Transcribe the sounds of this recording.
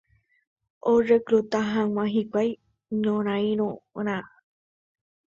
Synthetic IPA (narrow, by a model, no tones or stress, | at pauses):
oʐekɾut̪aɦãŋ̃ãɦikʷaj | ɲõɾ̃ãĩɾ̃õɾ̃ã